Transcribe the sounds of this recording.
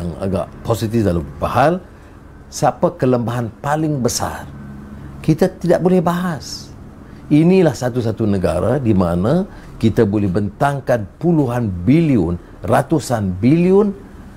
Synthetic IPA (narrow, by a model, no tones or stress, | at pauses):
aŋa̰ɡa̰ʔposit̪ɪfdalampahal | sapakələmbaɦanpalɪŋbəsa̰rkit̪at̪idaʔ̚bolɛhbaɦas | inĩlahsat̪usat̪unəɡa̰ɾadimanã | kit̪abolɛhbənt̪aŋkanpuluɦanbiliʊn | rat̪usanbiliʊn